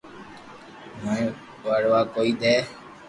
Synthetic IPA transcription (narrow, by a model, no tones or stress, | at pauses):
məĩ | ʋəɽʋaːkoːiːɗ̪eː